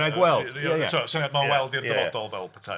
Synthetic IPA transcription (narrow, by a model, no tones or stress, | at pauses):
aɡwɛlˠd̥jajʰuasənamawɛlˠdɪrðɛvɔd̥ɔlˠvɛlˠpʰə̥tʰa̰